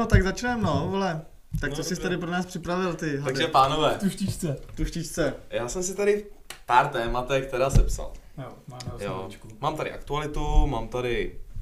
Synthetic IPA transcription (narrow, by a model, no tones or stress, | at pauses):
not̪aɡzat͡ʃnɛːmnovolɛ | t̪akt͡sosɪst̪aɾɪp̬ɾonaːspr̥ɪpɾavɪlt̪ɪɦ̪aʒɛpaːnovɛːt̪uʃit͡ʃt͡sɛt̪uʃcɪt͡ʃt͡sɛjaːsɛmsɪt̪aɾɪfpaːɾt̪ɛːmat̪ɛxk̚t̪ɛɾaːsɛpsa̰l | jo̰t͡ʃkumaːmt̪aɾɪ̰ʔa̰kt̪ualɪt̪umaːmt̪aɾɪ